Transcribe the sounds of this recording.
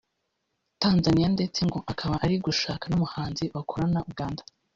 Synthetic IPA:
taːnzanijande̞t͡se̞ŋɡo̞ʔakʰaβaʔaɾiɡuʃaːkanumuhaːnziβakʰoɾanaubɡaːndḁ

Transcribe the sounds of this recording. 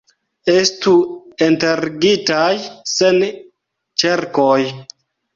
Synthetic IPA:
estuenteɾɡitajsen | t͡ʃeɾkoj

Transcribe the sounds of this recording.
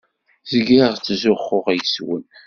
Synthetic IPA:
zəɡiʁt͡sːzʊχːʊʁjəswə̰n

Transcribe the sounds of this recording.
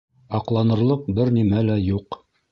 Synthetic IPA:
ɑqlˠɑnɤ̆ɾlˠɤq̚bɘɾnimælæjuq

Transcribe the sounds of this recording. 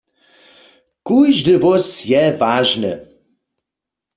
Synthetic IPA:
kujʒdɨvɔsjɛvaːʒnɨ̰

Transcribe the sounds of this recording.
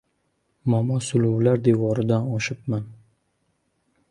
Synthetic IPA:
mamɒsʊlʊwlaɾd̪ewɒɾɪd̪anɒʃɪp̚man

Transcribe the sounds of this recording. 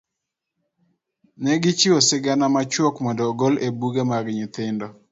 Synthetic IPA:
nɛɡɪt͡ʃiosɪɡanamat͡ʃwɔkmɔdɔɡɔlebuɡemaɡɪɲit̪ɪndɔ

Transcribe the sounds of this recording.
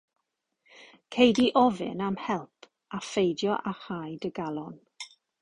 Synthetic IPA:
kʰejdiʔɔvɪ̰namhɛlˠpʰ | afejdjɔʔahajdəɡalˠɔn

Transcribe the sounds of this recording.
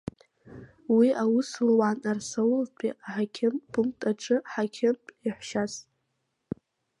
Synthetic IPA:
wiʔawʊslwanarsawlpʰʼiaħakʲʰɪmpʰʼumtʼaʈ͡ʂʰʼɨħakʲʰɪmpʼiħʷʃasʼ

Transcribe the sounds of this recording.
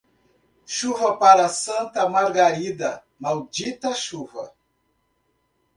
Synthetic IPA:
ʃuvɐpaɾɐsɐ̃nt̪ɐmaɾɡaɾid̪ɐ | mawd͡ʒit̪ɐʃuvɐ̰

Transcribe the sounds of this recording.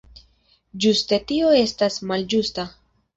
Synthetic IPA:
d͡ʒuste̞tioe̞stasmald͡ʒusta

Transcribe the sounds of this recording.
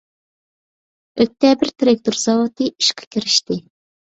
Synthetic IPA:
øt̪ːɛbɪɾt̪ʰɾek̚t̪oɾz̥ɑwot̪ɨiʃqʰɑ̥kʲiɾɪʃt̪ɪ

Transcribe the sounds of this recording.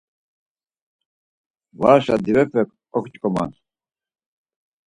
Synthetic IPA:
waːʃad̪iwɛpɛkʰʼ | ɔkt͡ʃʼkʼɔma̰n

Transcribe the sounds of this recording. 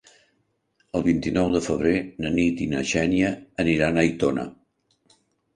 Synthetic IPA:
əlˠβint̪inɔwðəfəβ̞ɾenənit̪inəʃɛnjəːniɾanəjt̪onə̰

